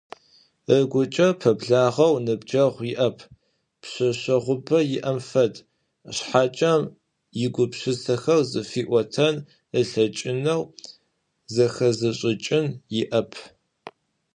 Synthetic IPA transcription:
əɡʷʊt͡ʃʼɐpʰɐbɮaːʁɐwnɨbd͡ʒɐʁʷjɪʔɐpʰ | pɕɐɕɐʁʷʊbɐjɪʔɐmfɐd | ɕħaːt͡ʃʼɐm | jɪɡʷʊpɕɪsʰɐxɐwzɨfiːʔʷɔtʰɐn | əɬɐt͡ʃʼɪnɐw | zɐxɐzɨɕʼɪt͡ʃʼɪnjɪʔɐpʰ

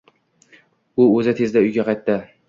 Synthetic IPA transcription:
ʊɵzɪt̪ʰe̞zd̪aʊjɡʲaqʰɑjt̪ːɪ

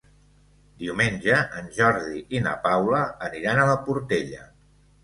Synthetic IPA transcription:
d̪iwmenʲʒəʔənʲʒɔɾðiʔinə̰pawləəniɾanələpuɾt̪eʎə

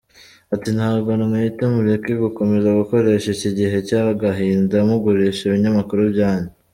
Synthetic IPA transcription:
atin̥haːβɡonamajitemuɾekiɡuko̞me̞zaɡuko̞ɾe̞ʃeciɟiɦe̞caːɡaɦiːndamuɡuɾeʃeβiɲamakuɾubɟaːɲe

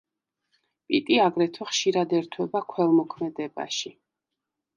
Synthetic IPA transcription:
pʼḭt̪ʼiaɡɾɛt̪ʰwɛχʃiɾad̪ɛɾt̪ʰwɛbakʰwɛlˠmɔkʰmɛd̪ɛba̰ʃi

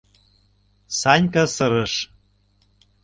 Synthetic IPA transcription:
sɑnʲkɑsɤ̆ɾɤ̆ʃ

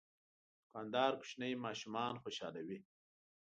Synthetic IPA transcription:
qand̪ɑːɾkʊ̥ʃnəjmɑːʃumɑːnxoʃɑːlawi

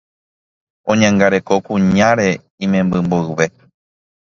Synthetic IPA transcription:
õ̞ɲãŋɡaɾe̞ko̞kũɲãɾe̞ | ĩmẽmbɨmboɨβe̞

